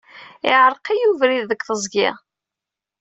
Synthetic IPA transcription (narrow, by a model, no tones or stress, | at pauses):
ɪʕəɾˤqijuvɾiððəkθəzˤɡḭ